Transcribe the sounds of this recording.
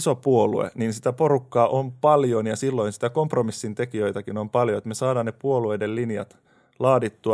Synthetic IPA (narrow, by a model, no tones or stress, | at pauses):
sopuolṵḛninsit̪æporukːɑːʔompɑljonjɑsilːoinsi̥t̪ækompromisːint̪ekijøjt̪ækinompɑljoet̪mesɑːdɑːnepuoluedellinjɑ̰t̪ | lɑːdit̪ːuɑ